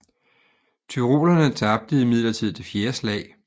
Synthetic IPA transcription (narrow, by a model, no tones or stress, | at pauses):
t͡sʰyʁo̝̰ːlɐnət͡sʰɑ̈b̥̚d̥əðˠimið̞̰ˠlɐt͡sʰið̰ˠt͡sʰe̝fjeːɐslɛ̰ɪ